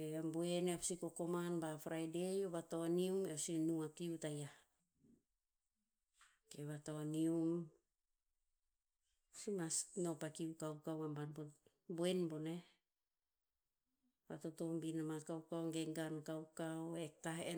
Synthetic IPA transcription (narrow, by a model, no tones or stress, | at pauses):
eamboeneapsiko̞ko̞manbafɾajde̞joβatoaniumeosinuakiutaja | keβatoanium | simasno̞pakiukawkawambanbo | boenbone | βa̰to̞to̞mbinamakawkawŋɡe̞ɡankawkawek̚tae